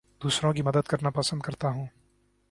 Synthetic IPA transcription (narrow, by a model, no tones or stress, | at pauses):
d̪̥uːsɾõk̬imɐd̪əd̪̚kɐɾnapɐsə̃nd̪̚kɐɾt̪aɦũː